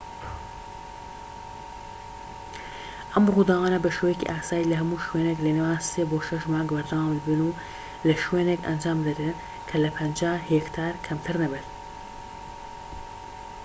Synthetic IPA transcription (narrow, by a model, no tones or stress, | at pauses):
ʔɐmʁud̪aːɣaːnɐbɐʃeːwejekḭʔaːsaːjilɐɦɐmuːʃweːneklɐnewaːnseːboːʃɐʃmaːŋɡbɐɾd̪awaːmlbɨnu | lɐʃweːnekɐ̰nd͡ʒaːmd̪ɐde | kʰɐlɐpʰɐnd͡ʒaːhekt̪ʰaːɾkʰɐmt̪ʰɨɾnɐbet̪